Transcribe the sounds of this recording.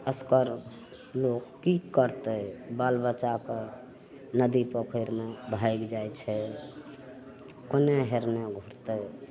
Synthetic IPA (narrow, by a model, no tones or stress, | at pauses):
əskəɾ | lokːikəɾt̪əbalbət͡ʃake | nəd̪ipəpʰəɾmebʱaɪkd͡ʒajt͡ʃʰɛ | koneɦeɾmeɡʱuɾt̪ə